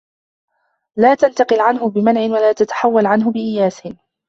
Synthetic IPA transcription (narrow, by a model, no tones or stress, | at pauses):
laːt̪ant̪ɑqɨlʕanɦʊbɪmanʕɪnwalaːt̪at̪ḁħawːalʕanɦʊbɪʔɪjaːsɪn